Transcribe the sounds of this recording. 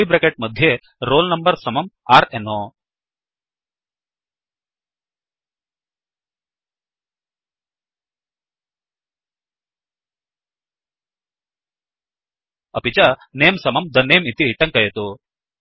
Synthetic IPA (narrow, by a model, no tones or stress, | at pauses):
ibɾekeʈ̚mɐd̪ʱje | ɾoːlnɐmbɐɾsɐmɐmaːɾenoː | ɐpit͡ʃɐneːmsɐmɐmd̪ɐneːmit̪iʈɐŋkɐjet̪u